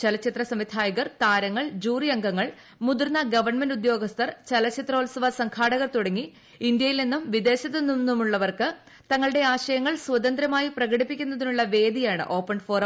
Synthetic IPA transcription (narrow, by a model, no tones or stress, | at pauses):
t͡ɕɐlɐt͡ɕʰːit̪rɐsɐmit̪ʰaːjɐɣɐrt̪aːɾɐŋːɐɭd͡ʑuːrijɐŋɡɐŋːɐɭ | mud̪urnɐɡɐʋɐrɳmɐndud̪jo̞ːɡɐst̪ɐrt͡ɕɐlɐt͡ɕːʰit̪ro̞ːlsɐʋɐsɐŋkʰaːɽɐɣɐrt̪uɽɐŋːi | ind̪jɐjilnenːumʋid̪e̞ːɕɐt̪ːɐnːunːumuɭːɐʋɐrkɨ | t̪ɐŋːɐɭɨɽe̞aːɕɐjɐŋːɐɭswɐd̪ɐnd̪ɾɐmaːjiprɐɣɐɽipːikʲːunːɐðinuɭːɐʋe̞ːd̪ijaːɳɨ̰ʔo̞ːpːɐɳɖfoːrɐ